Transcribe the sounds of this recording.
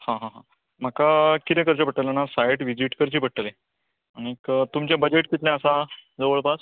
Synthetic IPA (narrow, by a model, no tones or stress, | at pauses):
hãɦãɦã | m̤akakit̪ẽkəɾt͡ɕepəʈːəlanasajʈʋid͡ʑiʈkəɾt͡ɕiːpəʈ̚ʈːəle | aniekt̪umt͡ɕjãbəd͡ʑeʈkit̪ljãəsad͡zəʋəɭpas